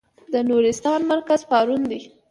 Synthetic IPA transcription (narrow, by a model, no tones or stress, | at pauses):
d̪ənoɾɪst̪ɑnmaɾkazpɑɾund̪i